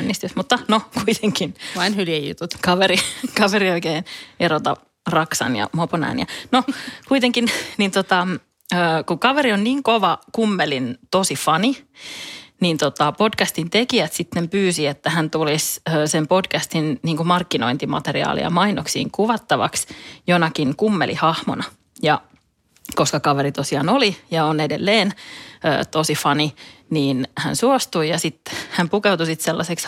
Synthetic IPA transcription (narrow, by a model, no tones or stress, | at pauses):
nːist̪ysmut̪ːɑnokuit̪ʰeŋkinʋɑinhyliejjṵt̪ut̪kɑʋeɾikɑʋeɾioikeːneɾot̪ɑ̰ | rɑksɑ̰njɑ̰moponæ̰ːnjɑ̰nokuit̪eŋkinnint̪ot̪ɑ | əːkukɑʋeɾionniːŋkoʋɑkumːelint̪osifɑni | nint̪ot̪ɑpodkæst̪int̪ekiæt̪sit̪ːempyːsiet̪ːæhænt̪ulisøːsempodkæst̪inniːŋkumɑrkːino̰int̪imɑ̰t̪eriɑ̰ːlḭɑ̰mɑinoksḭːŋkuʋɑt̪ːɑʋɑ̰ksjonɑkiŋkumːelḭhɑhmo̰nɑ | jɑ | koskɑkɑʋeɾit̪osiɑnolijɑonedelːeːnø̰ːt̪osifɑniniːnhæ̰nsuost̪uijɑsit̪hæmpukewt̪usit̪selːɑseks